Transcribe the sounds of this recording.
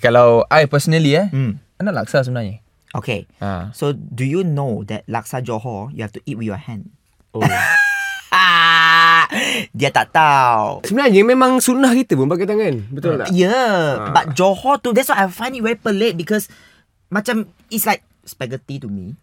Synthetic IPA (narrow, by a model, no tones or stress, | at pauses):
kalawʔajpəsənəliam̩anɔʔla̰k̚sas̬əumənaɲə̃ | ʔokʰḛa̰sodujunodɛ̰t̚la̰k̚sad͡ʒɔhɔ̰jṵhɛftuʔit̚wijɔ̰hɛ̃n | o | a | diət̪at̪awsəmənaɲəmɛ̃mãŋsunahkit̪əpũnbaɡat̪aŋãnbət̪ɔl̰jəbat̚d͡ʒɔhɔtudɛtswaafãj̃nit̚wɛipəlet̚bikɔs | mat͡ʃãm | itslaɪk̚ | spɛɡətitumi